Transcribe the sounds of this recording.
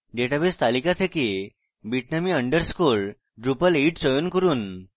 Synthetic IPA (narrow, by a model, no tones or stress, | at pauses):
ɖeʈabest̪alikat̪ʰeke | biʈnamiəɳɖəɾskol | ɖɾupəleʈsəjunkəɾuːn